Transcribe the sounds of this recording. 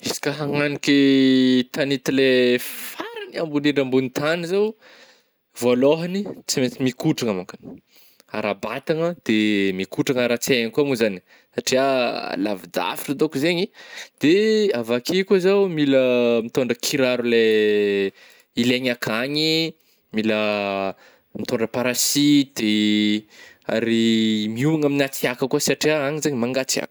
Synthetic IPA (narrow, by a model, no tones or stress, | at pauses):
isi̥kaɦaŋanikʲit̪anit̪ilefaɾaniambuniɳɖ͡ʐambunit̪anizaw | voloɦanit͡simet͡simikuʈ͡ʂaŋamakani̥ | a̰ɾabat̪aŋəd̪̥emikuʈ͡ʂaŋaɾat͡seikuamuzani̥ | saʈ͡ʂiala̰vid̪a̰fi̥ʈ͡ʂəd̪okuzeɲid̪̥eavakekuzawmiləmit̪oɳɖ͡ʐəkʰiɾaɾule | ileɲakʰaɲi | milə | mit̪oɳɖ͡ʐəpaɾasid̪̥e | a̰ɾimiuaŋaminat͡siakəkuəsaʈ͡ʂiaaɲizeɲimaŋɡat͡sia̰k